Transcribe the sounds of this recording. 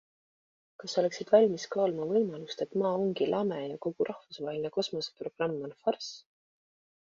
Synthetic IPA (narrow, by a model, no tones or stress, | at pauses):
kɑsːo̞le̞ksid̪̥vɑlʲmiskɑːlmɑvɤjmɑlust̪e̞t̪ːmɑːoŋɡilʔɑmejɑko̞ɡ̥uɾʔɑhfusvɑːɦelʲineko̞smo̞se̥pro̞ɡ̥rɑmːɑnfɑrs